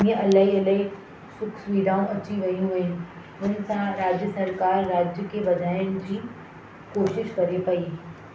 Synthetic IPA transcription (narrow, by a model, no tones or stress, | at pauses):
jəʔɐlaɦiɐləɦi | sʊkʰsʊʋiːd̪ʱaːõʔɐt͡ɕiɡɐijũʋẽ | ʊnsãɾaːd͡ʑjəsɐɾkaːɾːaːd͡ʑjəkebɐd͡ʒaːɪnd͡ʑʱi | koːʃɪʃkɐɾepɐi